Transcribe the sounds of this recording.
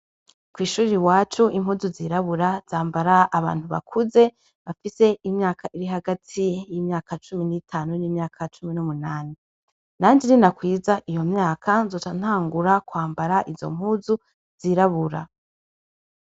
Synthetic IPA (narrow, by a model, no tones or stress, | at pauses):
kwiːʃuːɾiwaːt͡ʃuim̥huːzuziɾaβuɾaz̥aːmbaɾaʔːβa̰ːn̥huβa̰kʰuze̞ | βafise̞imɲaːkʰaʔiɾiɦaɡatʰijimɲaːkat͡ʃuminitʰaːnuniːmɲaːkʰat͡ʃuminumunaːni | naːɲd͡ʒeninakwiːzaʔijo̞mɲaːkʰanzot͡ʃan̥haːŋɡuɾakwaːmbaɾaʔizo̞̰m̥ɦuːzu | z̥iɾaβuɾa